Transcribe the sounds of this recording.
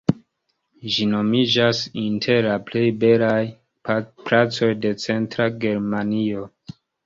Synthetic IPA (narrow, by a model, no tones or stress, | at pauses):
ʒino̞mid͡ʒasintʰe̞ɾlaple̞jbe̞laj | plat͡so̞jde̞t͡se̞ntɾaɡe̞ɾmanio̞